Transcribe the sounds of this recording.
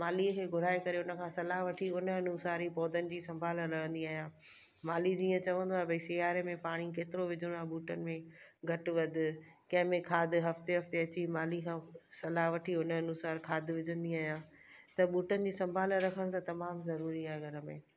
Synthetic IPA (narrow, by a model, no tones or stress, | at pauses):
maːlikʰeːɡʱʊɾaːekɐɾeʊnə̆kʰãːsɐlaɦʋɐʈʰiʊnəɐnuːsaːɾipɔːd̪ənɪ̆d͡ʑiːsɐ̃mbʱaːləɾɐɦə̃nd̪iaːɦjãː | maːlid͡ʑiːə̃t͡ɕɐʋə̃nd̪oaːɦebɐisɪjaːɾemẽpaːɽ̃ik̬eːt̪ɪɾoʋɪd͡ʑʱʊɽ̃aːɦɓuːʈənɪ̆mẽɡʱɐʈɪ̆ʋɐd̪ʱɪ̆kɐ̃ɦɪ̃mẽkʰaːd̪ʱɪɦɐft̪eɦɐft̪eɐt͡ɕimaːlikʰãːsɐlaɦʋɐʈʰiʊnəɐnuːsaːɾkʰaːd̪ʱʋɪd͡ʑʱə̃nd̪iaːɦijãːt̪ɐɓuːʈənɪ̆d͡ʑiːsɐ̃mbʱaːləɾɐkʰə̃nt̪ɐt̪ɐmaːmzɐɾuːɾiaːɦeɡʱɐɾə̆mḛ̃ː